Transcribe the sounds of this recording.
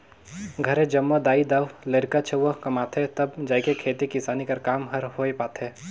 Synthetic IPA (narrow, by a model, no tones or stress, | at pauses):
ɡʱɐɾẽd͡ʒɐmːod̪aːid̪aːʋlɐɾkat͡ʃʰɐʋəkɐmaːt̪ʰet̪ɐbd͡ʒaːkekʰeːt̪ikɪsaːnikɐɾkaːmɦɐɾɦoːepaːt̪ʰeː